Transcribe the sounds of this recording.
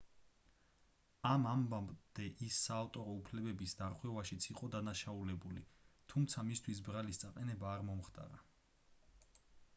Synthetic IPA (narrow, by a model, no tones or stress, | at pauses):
amambamd̪̥ɛʔisːaːft̪ʼɔɾɔupʰlɛbɛbisd̪aɾʁwɛvaʃit̪sʰiqʼɔd̪anaʃaulɛbulit̪ʰumt̪sʰamist̪ʰwisbɾalist̪sʼaqʼɛnɛbaːɾmɔmχt̪ʼa̰ɾa